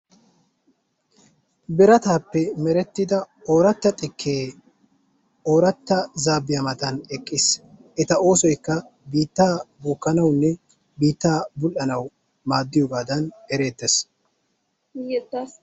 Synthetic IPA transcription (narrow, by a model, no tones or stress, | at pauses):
bɪɾɐt̪aːpːɛmɛɾɛt̪ːɪd̪ɐ | oːɾɐt̪ːɐt̪ʼɪkʰːeː | o̞ːɾɐt̪ːɐzaːbɪjɐmɐt̪ɐnɛkʼːɪsʔɛt̪ɐo̞ːsɔjkːɐ | biːt̪ːaːbuːkːɐnɐwnːɛ | biːt̪ːaːbʊlʔɐnɐw | maːd̪ːɪjɔɡaːd̪ɐnɛɾe̞ːd̪ːes